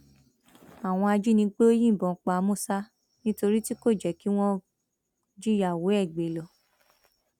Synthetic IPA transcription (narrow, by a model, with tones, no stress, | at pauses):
a˨w̃ɔ̃˧a˧d͡ʒi˦nĩ˧k͡pe˦o˦jĩ˦˨bɔ̃˨˦k͡pa˨˧mõ˦˨sa˦ | nĩ˦to˧ɾi˦ti˦ko˦˨d͡ʒɛ˨ki˨˦w̃ɔ̃˦ | d͡ʒi˦ja˨wo˨˦ɛ˦˨ɡ͡be˨˦˨lɔ˨